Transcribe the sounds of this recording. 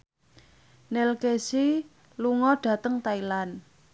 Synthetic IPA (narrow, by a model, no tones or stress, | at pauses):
nɛlkesi | luŋɔɖ̥ä̤t̪əŋt̪ailan